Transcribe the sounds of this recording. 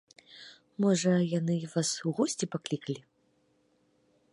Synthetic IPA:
mɔʐɐjanɨvasuɣɔsʲt͡sʲipaklʲikɐlʲi

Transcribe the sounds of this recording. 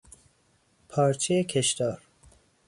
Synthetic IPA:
pʰɒːɾt͡ʃʰejekʰeʃt̪ɒːɾ

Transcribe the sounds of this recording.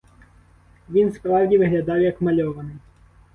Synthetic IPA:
ʋʲinspɾɑwdʲiʋɪɦlʲɐd̪ɑwjɐkmɐlʲɔʋɐnɪj

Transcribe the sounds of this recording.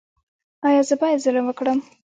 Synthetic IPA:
ɑjɑzəpɑjad̪zəɾəmwəkɽəm

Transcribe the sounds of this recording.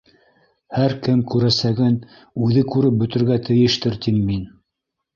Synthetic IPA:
hæɾkɘmkʉɾæsæɡɘn | ʉðɘkʉɾɘp̚bɵ̆t̪ɘ̆ɾɡæt̪ʰɘ̆jɘ̆ʃt̪ɘɾt̪imːin

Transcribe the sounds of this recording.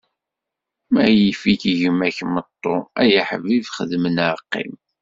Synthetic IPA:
mæjifikʝəmæçmət̪ˤːoæjəħvivχəðmənʕəqːḭm

